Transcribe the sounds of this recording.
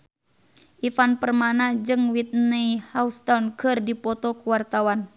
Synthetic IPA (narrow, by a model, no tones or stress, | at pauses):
ʔifanpərmanad͡ʒɨŋwit̪̚neihaust̪aunkərdipɔt̪ɔkuwart̪awan